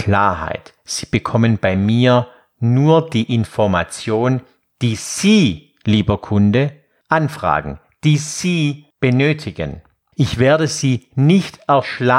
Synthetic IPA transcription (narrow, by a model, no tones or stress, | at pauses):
kʰl̥aːɐɦa̰ɪt | z̥iːb̥əkʰɔmənbaɪmiːɐ | nuːɐdiːʔɪnfɔɐma̰t͡sjoːn | d̥iːz̥iː | liːbɐkʰʊndə | ʔanfʁ̥a̰ːɡŋ̩ | d̥iːz̥iːb̥ənøːtʰɪɡə̰n | ʔɪçv̥eːɐdəziːnɪçtɛɐʃla